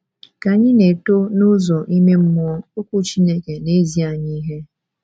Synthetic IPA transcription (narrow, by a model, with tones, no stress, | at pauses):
ka˨ɲɪ˦ne˨to˦nʊ˦zɔ˨ʔi˦me˦m̩˦mɔ˦ɔ˦o˦kʷu˦t͡ʃi˦ne˦ke˨ne˦zi˦a˨ɲi˦ɦe˦